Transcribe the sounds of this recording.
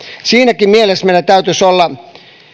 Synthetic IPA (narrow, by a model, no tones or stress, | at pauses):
siːnækimielesmeilæt̪æyt̪ysolːɑ